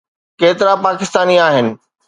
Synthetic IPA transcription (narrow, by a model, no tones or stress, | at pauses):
keːt̪ɪɾãpaːkɪst̪aːniaːɦɪnɪ̆